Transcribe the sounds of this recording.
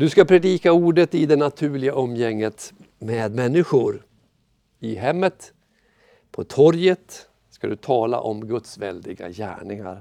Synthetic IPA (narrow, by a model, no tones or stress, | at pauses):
d̪ɵskapʰɾɛd̪iːkauːɖət̪ɪd̪ɛnat̪ʰʉ̟ːɭɪɡaʔɔmːjɛŋːət̪ | meːd̪mɛnːɪɧʊɾ | ɪɦɛmːət̪ | pʰɔt̪ʰɔɾjət̪ | skad̪ɵt̪ʰɑːla̰ʔɔmɡɵt̪svɛld̪ɪɡa̰jæ̰ːɳɪŋa̰ɾ